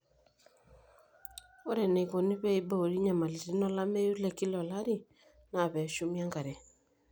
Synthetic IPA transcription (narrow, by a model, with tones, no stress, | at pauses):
ɔ˦ɾɛ˨ne˨ko˨ni˦βɛ˦i˨ba˦o˨ɾi˦ɲa˨ma˨li˨ɾi˦nɔ˦la˦me˦ju˦lɛ˨ki˦lɔ˨la˦ɾi˦ | na˨βɛ˨ʃu˦mja˦ŋɡa˨ɾɛ˨